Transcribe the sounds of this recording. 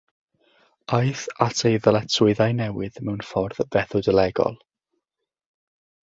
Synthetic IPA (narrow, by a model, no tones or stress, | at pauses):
aɨθatʰejðəlˠɛtʰʊɨðajnɛwɨðmɛwnfɔrðv̥ɛθʊdəlɛɡɔ̰lˠ